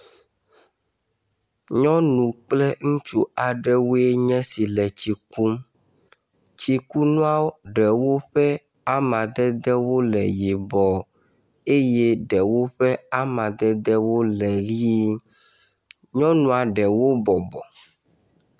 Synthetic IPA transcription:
ɲɔ̃˦nũ˨k͡plɛ˦ŋũ˦t͡ʃu˦a˨ɖɛ˦wo˦e˦ɲɛ̃˦si˨lɛ˨t͡ɕi˨ku˦m | t͡ɕi˨ku˦nũ˦a˦ɖɛ˨wo˦ɸɛ˦ | a˦mã˨d̪ɛ˦d̪ɛ˦wo˦lɛ̰˨ji˨bɔ˨ | e˦jɛ˦ɖɛ˨wo˦ɸɛ˦a˦mã˨d̪ɛ˦d̪ɛ˦wo˦lɛ˨ɣi˦ | ɲɔ̃˦nũ˦a˨ɖɛ˨wo˦bɔ˨bɔ˨

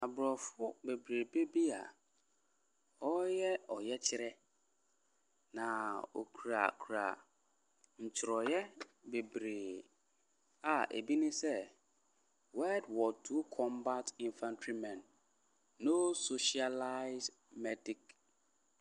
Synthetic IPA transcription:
a˨bɾɔ˨fʊ˦be˨bɾe˨be˦bi˦a̰˨ | ɔ˦jɛ˦ɔ˨jɛ˦t͡ɕʰɪ˦ɾɛ˦ | nã˨o̰˨kʰu˨ɾa̰˨kʰu˨ɾa̰˨ | ɲ̩˨t͡ɕʰɪ˨ɾɔ˨jɛ˦be˨bɾe˨ | a˨ʔḛ˨bi˦nĩ˦sɛ˦ | wɛ˦dwɔ˨tʰu˦kʰɔ̃˦mba˦tĩ˨nfã˦ntʰɾi˦mɛ̃˨nː | o˦so˨ʃi˨a˨la˦ɪ˦s | mɛ˦di˨k

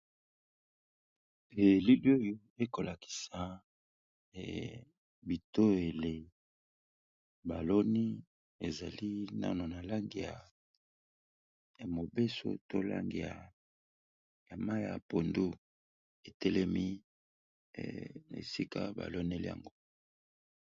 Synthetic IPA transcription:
e˨li˦ljo˦jo˨e˦ko˨la˨ki̥˨sa˨ | bi˨to˦e˨le˨ | ba˨lo˦ni˦ | e˨za˨li˦na̰˦no˨na˨la˦ŋɡi˨a˨ | mo˨be˦so̰˦to˦la̰˦ŋɡi˨ja̰˨ | ja˨ma˦ja̰˨po˨ndu˦ | e˨tɛ˦lɛ˦mi˦˨ | ḛ˨si˦ka˦ba̰˨lo˦ne˦lḭ˦a̰˨ŋɡo˦

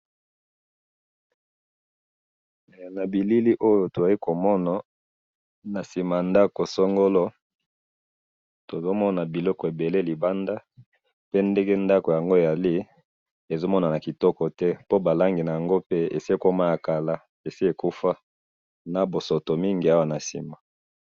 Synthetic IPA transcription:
na˨bi˨li˦li˦ʔo˦jo˨to˨a˨i˦ko˨mɔ˦na˨ | na˨si˨ma˨nda˦ko˨so˦ŋɡo˦lɔ˦ | to˨zo˦mɔ˦na˨bi˨lɔ˦kɔ˨e˨be˨le˦li˨ba˦nda˦ | pe˦nde˦ɡɛ˦nda˦ko˨ja˨ŋɡo˦e˨ja˨li˦ | e˨zo˦mɔ˦na˨na˨ki˨tɔ˦kɔ˨tɛ˦po˦ba˨la˦ŋɡi˨na˨ja˨ŋɡo˦pe˦ḛ˨si˦e˦ko˦ma˦ja˨ka˨la˦ | e˨si˦e˨ku˦fa˦ | na˨bo˨so˨to˨mi˦ŋɡi˨a˦wa˨na˨si˨ma˨

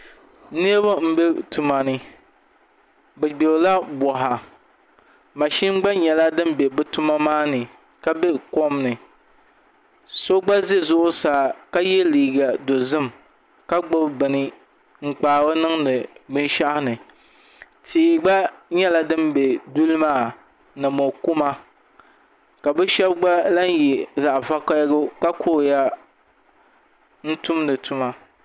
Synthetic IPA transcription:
ne˦bo˦m̩˦be˦tu˨ma˨nɨ˦ | bɛ˨ɡ͡be˨ɾla˦bɔ˨ɦa˨ | ma˨ʃi˦ŋ˦ɡ͡ba˦ɲɛ˨la˦dɨ˦m˦be˨bɨ˦tu˦ma˦maː˦nɨ˨ | ka˦be˦ko˦mnɨ˨ | so˦ɡ͡ba˦ze˦zʊ˦ʔʊ˦saː˨ka˦jɛ˦liː˨ɡa˨do˨zɨ˦m | ka˦ɡ͡bo˦bbɨ˨nɨ˦ | ŋ͡m̩˨k͡paː˨bo˦nɨ˦ŋnɨ˨bɨ˦n˦ʃa˦hɪ˦nɨ˨ | tʰiː˨ɡ͡ba˦ɲɛ˦la˨dɨ˦mbe˨du˦lmaː˦˨ | nɨ˨mo˨ku˦ma˦ | ka˨bɛ˦ʃɛ˦bɡ͡ba˦la˦n˦jɛ˨za˨ʔva˦ka˦ɡʊ˦ka˦kʰo˦ja˦ | n̩˦tʊ˦mnɨ˨tʰʊ˦ma˦

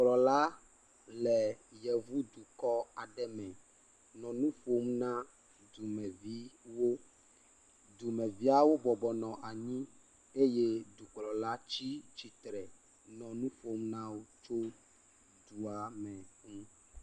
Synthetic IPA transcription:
k͡plɔ˨la˦ | lɛ˨jɛ˨vu˦d̪u˨kɔ˦a˨ɖɛ˦mɛ̃˨ | nɔ̃˨nũ˦ɸo˦m˦nã˦ | d̪u˨mɛ̃˨vi˦wo˦ | d̪u˨mɛ̃˨vi˦a˦wo˦bɔ˨bɔ˨nɔ̃˨ʔa˨ɲĩ˦ | e˦je˦d̪u˨k͡plɔ˨la˦t͡ɕi˦t͡ɕi˨t̪ɾɛ˨ | nɔ̃˨nũ˦ɸo˦m˦nã˦wo˦t͡ʃo˦ | d̪u˨a˨mɛ̃˨ŋũ˦

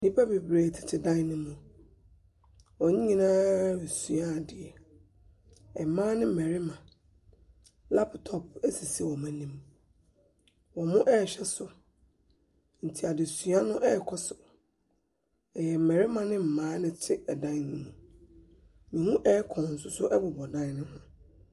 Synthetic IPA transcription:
nĩ˦pʰa˦be˨bɾeː˨tʰɪ̥˨tʰɪ˨dã˦nɪ̃˦mʊ̃˨ | wɔ˨ɲĩ˦ɲĩ˨nãː˦ɾe˨su˨a˦˨dɪ˨ɛ˨ | ɛ˨mãː˦nɪ̃˦m̩˨mɛ˨ɾɪ˦mã˨ | la˦pʰtʰɔ˨p̚ɛ˦si˨si˨ɛ˨wɔ˨mã˨nĩ˦m | wɔ˨mʊ̃˦ʔɛː˦˨ɕᶣɛ˦sʊ˨ | n̩˨tʰi˨a˨dɪ˨su˨˦a˦nʊ̃˦ʔɛ˦˨kʰɔ˦sʊ̥˨ | ɛ˨jɛ˨m̩˨mɛ˨ɾɪ˦mã˨nɪ̃˦m̩˨mãː˦nɪ̃˦tʰɪ˦ɛ˨dã˦n˨nɪ̃˦mũ˨ | mĩ˨hũ˦ʔɛ˦kʰɔ̃˨n̩˨sʊ˦sʊ˦ʔɛ˦bʊ˨bɔ˨dã˦n˦nɪ̃˦hã˦

